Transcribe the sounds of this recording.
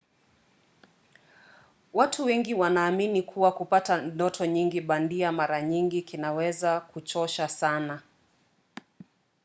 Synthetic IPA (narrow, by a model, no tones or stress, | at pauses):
watʰuwɛŋɡiwanaːminikʰuwakupatandɔtʰɔɲiŋɡiɓandiamaɾaɲiŋɡikinawɛzakut͡ʃɔʃasana